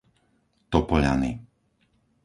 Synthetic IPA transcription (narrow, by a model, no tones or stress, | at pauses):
t̪ɔpɔʎa̰ni